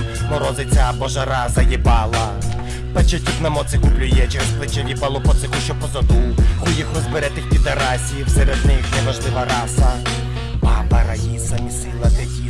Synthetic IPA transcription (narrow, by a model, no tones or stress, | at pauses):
mɔɾɔzɪt͡sʲabɔʒɐɾasɐjɛbɑlˠɐ | pɐt͡ʃɛt̪ʲipnɐmɔt̪sɪxʊblʲʊjɛt͡ʃɛɾesplˠɪt͡ʃɐʋʲibɐlˠɔpɔt̪ɪxʊʃt͡ʃɔpɔzɐd̪uxujixrɔzbɪɾɛt̪ɪxpʲid̪ɐɾasʲijiwsɛɾɛd̪nɪxnɛʋɐʒlˠɪʋɐɾɑsɐ | bɑbɐɾɐjisɐmʲisɪlˠɐt̪ekʲi